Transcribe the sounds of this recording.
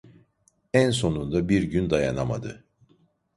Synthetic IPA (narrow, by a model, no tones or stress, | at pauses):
ænso̞nund̪abiɾɟynd̪ajanama̰d̪ɯ̰